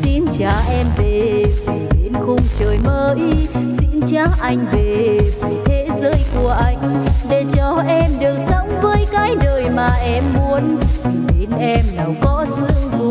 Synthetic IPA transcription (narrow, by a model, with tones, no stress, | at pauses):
sḭ˧nt͡ɕaː˨˩ʔɛ˧mve˨˩˨ɗe˨˦nxʊ˧ŋ͡mt͡ɕəː˨˩jməː˧jsḭ˧nt͡ɕaː˧˩ʔa˧jŋ̟ve˨˩vt̪ʰe˨˦zəː˨˦jku˧˩əʔa˧jŋ̟ɗe˧˩t͡ɕɔ˧ʔɛ˧mɗɨ˨˩ək̚sə˧˦wŋ͡mvəː˨˦jkaː˨˦jɗəː˨˩jmaː˨˩ʔɛ˧mːu˨˦ən˨˩ɓe˨˦nʔɛ˧mna˨˩wkɔ˨˦sɨ̰˧˨vu˧˦